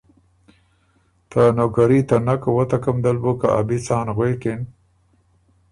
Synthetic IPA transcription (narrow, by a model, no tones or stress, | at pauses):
t̪anokaɾit̪anakwət̪akamd̪albukaʔabit͡sɑːnɣwekɪn